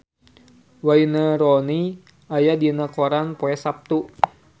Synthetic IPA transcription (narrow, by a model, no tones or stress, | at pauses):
wainəɾɔni | ajadinakɔɾanpoɛsap̚t̪u